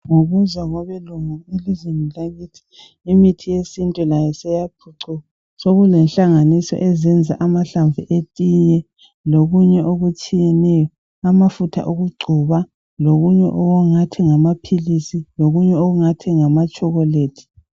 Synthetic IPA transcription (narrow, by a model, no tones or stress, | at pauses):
ŋoɣuzwaɣɔβɛluŋuilizwenilaɣiːtʰi̥ː | mitʰijesintʼulajɛsɛjapʰuǀua | soɣulɛnɬaŋanisɔ̰ʔɛzɛnd͡zʱa̰ʔamaɬaɱvuʔetʼijɛ | loɣuɲɛʔoɣut͡ʃʼijɛnɛjɔ | amafutʰa̰ʔoɣuɡ͡ǀʱuβa | loɣuɲɛ̰ʔɔɣuŋatʰɛŋamapʰilisiloɣuɲɛoɣuŋatʰɛŋamat͡ʃʼɔɣɔleːtʰi̥